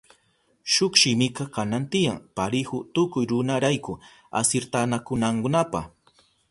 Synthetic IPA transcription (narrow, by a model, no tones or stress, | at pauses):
ʃʊkʃɪmɪkɑkanant̪ɪjaŋpaɾɪhʊt̪ʊkʊjɾʊnaɾajkʊ | a̰sɪɾt̪anakʊnaŋkʊnapa̰χ